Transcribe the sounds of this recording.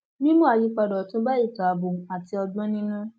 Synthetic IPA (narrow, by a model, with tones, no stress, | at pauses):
nĩ˦mũ˦a˧ji˧˦k͡pa˧dɔ˨tũ˦ba˦i˦˨ka˨˦bu˨a˨ti˧ɔ˧ɡ͡bɔ̃˦nĩ˦nũ˦